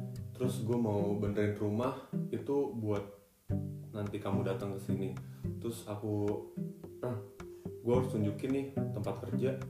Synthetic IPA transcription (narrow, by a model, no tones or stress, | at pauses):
t̪əɾʊsɡuamaubəndɾɪnrumahit̪ubuat̪̚ | nant̪ikamudat̪aŋkəsinit̪ɾʊsaku | əhɡuaɾʊst̪uɲd͡ʒukɪnɪht̪əmpat̪̚kərd͡ʒa